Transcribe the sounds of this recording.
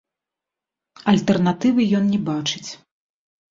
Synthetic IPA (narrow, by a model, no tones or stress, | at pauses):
ɐlʲt̪ɛrnat̪ɨvɨjɔnnʲɛbat͡ʂɨt͡sʲ